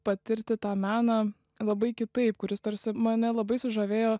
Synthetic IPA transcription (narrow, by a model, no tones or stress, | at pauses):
pɐt̪ʲɪɾʲt̪ʲɪt̪ɑːmʲæːnɑ | lˠɐbɐɪkʲɪt̪ɐɪpkʊɾʲɪst̪oːɾʲsʲɪmɐnʲɛlˠɐbɐɪsʊʒɐʋʲeːjoː